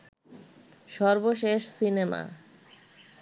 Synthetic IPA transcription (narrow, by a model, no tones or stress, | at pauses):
ʃɔɾboʃeʃsinema̰